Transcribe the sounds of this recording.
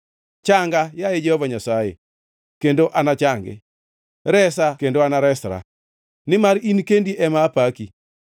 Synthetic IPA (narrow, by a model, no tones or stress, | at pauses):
t͡ʃaŋɡajaed͡ʒɛhɔvaɲasajḛ | kendoʔanat͡ʃaŋɡḛ | ɾɛsakendoanaɾɛsɾa̰ | nɪmaɾinkendiʔɛmapaki